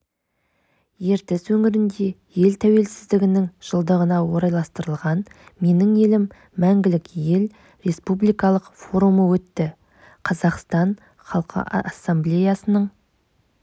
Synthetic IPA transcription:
je̞ɾt̪ɪswɵŋɪɾɪnd̪e̞je̞lt̪ʰæwe̞lsɪzd̪ɪɡʲɪnɪŋʒ̥əlˠd̪əʁənɑwoɾɑjlˠɑst̪əɾəlˠʁɑnme̞nɪŋe̞lɪmː | æŋɡʲɪlɪkje̞l | ɾe̞spublijkɑlˠəqfo̞ɾuməwɵt̪ːɪ | qʰɑzɑqst̪ɑɴ | χɑlˠqʰə̰ʔɑ̰ʔɑsːemblʲe̞jɑsənəɴ

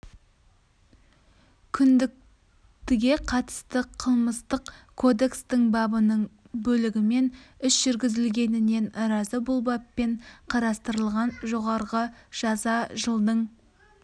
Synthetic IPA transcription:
kʲʰʏnd̪ɪk̚ | t̪ɪɡʲe̞qʰɑt̪ə̥st̪əqʰəlˠməst̪əqkʰːo̞d̪e̞kst̪ɪŋbɑbənəɴ | bɵlɪɡʲɪme̞nʏsʒ̥ʏɾɡʲɪzɪlɡʲe̞nɪne̞nɾɑzəbʊlˠbɑpːe̞ɴqʰɑɾɑst̪əɾəlˠʁɑnʒo̞ʁɑɾʁəʒ̥ɑzɑʒəlˠd̪əɴ

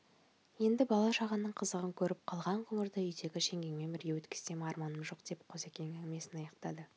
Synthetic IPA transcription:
je̞nd̪ɪbɑlˠɑʃɑʁənːəɴqʰəzəʁəŋkʲʰɵɾɪp̚qʰɑlˠʁɑɴqʰʊŋəɾd̪əʏjt̪e̞ɡʲɪʃe̞ŋɡʲe̞ŋme̞nbɪɾɡʲewɵt̪kʲɪ̥st̪e̞mɑɾmɑnəmʒo̞q̚d̪̥e̞pqʰoze̞kʲenɪeme̞sɪnɑjɑqt̪ɑd̪ə

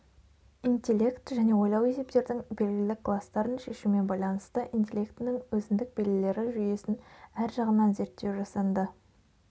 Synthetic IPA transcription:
int̪ʲelʲe̞kt̪ʒæne̞wo̞jlˠɑwe̞se̞p̚t̪e̞ɾd̪ɪŋbe̞lɡʲɪlɪlɪkʰlˠast̪ɑɾənʃe̞ʃume̞nbɑjlˠɑnəst̪əʔint̪ʲe̞lʲe̞kt̪ɪnɪŋwɵzɪnd̪ɪk̚be̞lɪle̞ɾɪʒʏje̞sɪnæɾʒɑʁənːɑnze̞ɾt̪ːe̞wʒɑsɑnd̪ə

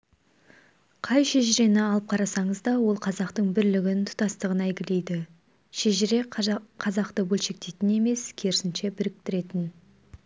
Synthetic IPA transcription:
qʰɑjʃeʒɪɾe̞nɪɑlˠəp̚qʰɑɾɑsɑɴəzd̪ɑwo̞lˠqʰɑzɑqt̪əɴbɪɾlɪɡʲɪnt̪ʰʊ̥t̪ɑst̪əʁənæjɡʲɪle̞jd̪ɪ | ʃeʒɪɾe̞qʰɑzɑqt̪əbɵlʃe̞k̚t̪e̞jt̪ɪne̞me̞skʲʰe̞ɾɪsɪnʃe̞bɪɾɪk̚t̪ɪɾe̞t̪ɪn

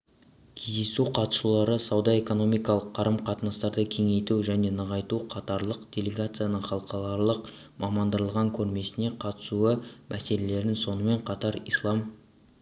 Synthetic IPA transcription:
kʲʰe̞zd̪e̞suqʰɑt̪ə̥sulˠɑɾəsɑwd̪ɑe̞ko̞no̞mijkɑlˠəqʰːɑɾəmqʰɑt̪ənɑst̪ɑɾd̪əkʲʰe̞ŋe̞jt̪uʒæne̞nəʁɑjt̪uqʰɑt̪ɑɾlˠəqd̪̥ʲe̞lʲeɡat̪sɨjanəɴχɑlˠəqɑlˠɑɾlˠəq | mʔɑmɑnd̪əɾəlˠʁɑŋkʲʰɵɾme̞sɪne̞qʰɑt̪ə̥suəmʔæse̞le̞le̞ɾɪnso̞nəme̞ɴqʰɑt̪ɑɾḭjslˠɑm

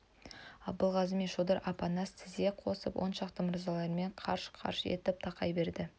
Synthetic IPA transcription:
ɑb̚b̪əlˠʁɑzɪmeʃod̪ɑɾʔɑpɑnɑst̪ʰɪzeqʰo̞səpwʔo̞̰nʃɑqt̪əmʊɾzɑlˠɑɾme̞ɴqʰɑ̰ɾʃqʰɑ̰ɾʃe̞̰t̪ɪp̚t̪ʰɑqɑjbe̞ɾd̪ɪ

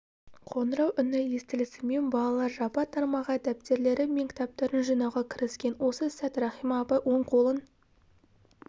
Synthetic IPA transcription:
qʰo̞nəɾɑwʔʏnɪje̞st̪ɪlɪsɪme̞nbɑlˠɑlˠɑɾʒɑpɑt̪ʰːɑɾmɑʁəæd̪æp̚t̪e̞ɾle̞ɾɪmeŋkʲʰɪ̥t̪ɑp̚t̪ɑɾənʒijnɑwʁɑkʲʰɪɾɪskʲe̞nwo̞səsæt̪ɾɑχijmɑːpɑjwo̞ɴqʰo̞lˠən

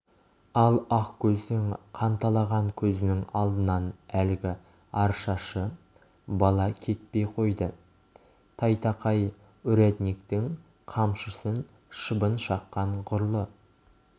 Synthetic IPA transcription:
ɑlˠɑqkʲʰɵzɪnɪŋqʰɑnt̪ɑlˠɑʁɑɴkʲʰɵzɪnɪŋɑlˠd̪ənɑnælɪɡʲɪ | ɑɾʃɑʃə | bɑlˠɑkʲʰe̞t̪̚pe̞jqʰo̞jd̪ə | t̪ʰɑjt̪ɑqʰɑj | ʊɾet̪nik̚t̪ɪŋ | qʰɑmʃəsən | ʃəbənʃɑqːɑɴqʰʊɾlˠə

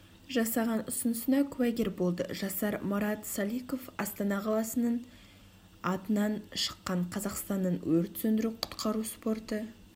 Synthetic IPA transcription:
ʒɑsɑʁɑnʊsənəsənɑkʲʰʉwæɡʲe̞ɾbo̞lˠd̪ə̰ʒɑsɑɾmɑɾɑt̪sɑlˠijko̞fɑst̪ɑnɑqʰɑlˠɑsənəɴ | ɑt̪ənɑnʃə̥qːɑɴqʰɑzɑqst̪ɑnːəɴwɵɾt̪sɵnd̪ɪɾuqʰʊ̥t̪qʰɑɾuspo̞rt̪ə

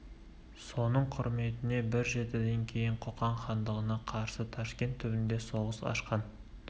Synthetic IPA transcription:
so̞nəɴqʰʊ̰ɾme̞t̪ɪne̞bɪɾʒe̞t̪ɪd̪e̞ŋkʲʰe̞jɪɴqʰoqɑɴχɑnd̪əʁənɑqʰɑɾsət̪ʰɑʃkʲe̞nt̪ʰːʏbɪnd̪e̞so̞ʁəsɑ̰ʃqɑn

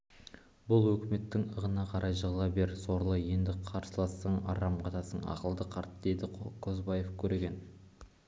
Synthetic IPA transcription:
bʊlˠwɵkʲɪme̞t̪ːɪŋəʁənɑqʰɑɾʔɑjʒəʁlˠɑbe̞ɾso̞ɾlˠəje̞nd̪ɪqʰɑɾsəlˠɑsəɴɑ̰ɾɑmqʰɑt̪ɑsəɴɑ̰qəlˠd̪əqʰɑɾt̪d̪e̞d̪ɪqʰozbɑje̞fkʲʰɵɾeɡʲe̞n

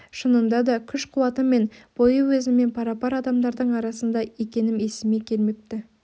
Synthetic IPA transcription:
ʃənənd̪ɑd̪ɑkʲʰʏʃqʰuwɑt̪əme̞nb̥o̞jəwɵzɪme̞npʰɑɾɑpɑɾɑd̪ɑmd̪ɑɾd̪əɴɑɾɑsənd̪ɑe̞kʲe̞nɪme̞sɪme̞kʲʰe̞lme̞p̚t̪ɪ

